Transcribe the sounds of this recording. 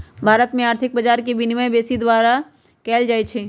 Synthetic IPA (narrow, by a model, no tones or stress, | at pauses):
bʱaːɾət̪mẽaːɾt̪ʰɪk̚bəd͡ʒaːɾkebɪnɪməbeːsid̪waːɾa | kɛːld͡ʒaːet͡ʃʰeː